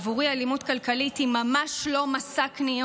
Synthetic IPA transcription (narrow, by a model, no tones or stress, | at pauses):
vuʁialimutkalkalitimamaʃlo̞masakni